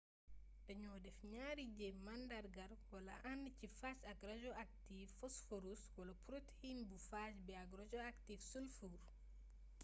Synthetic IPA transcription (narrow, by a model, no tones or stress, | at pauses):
daɲɔdɛfɲaːɾiɟɛmandaɾɡaɾwala̰ʔandət͡ʃifat͡ʃaɡɾad͡ʒɔak̚tiffɔsfoɾuswalapɾoteinbufasbɛaɡɾad͡ʒɔaktifsulfuɾ